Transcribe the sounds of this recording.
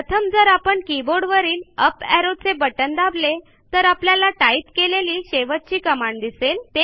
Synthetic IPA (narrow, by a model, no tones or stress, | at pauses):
ət̪ʰəmd͡zəɾapəɳkiboɽʋəɾiːnəpɛɾod̪̚t͡sebəʈənd̪able | t̪əɾapljalaʈait̪keleliːɕeʋət̪̚t͡ɕiːkəmaɳd̪iselt̪e